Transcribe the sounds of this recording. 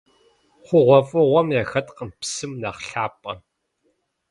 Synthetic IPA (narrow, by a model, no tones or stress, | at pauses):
χʷʊʁʷɔfʼɨʁʷɔmjaːxɐtʼqəmpsɨmnɐχɬaːpʼɐ